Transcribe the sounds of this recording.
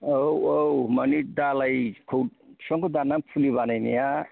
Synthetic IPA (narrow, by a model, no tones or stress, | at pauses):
owowmʌnid̪alajkʰowsʌŋkod̪anampʰuliβanajnḭja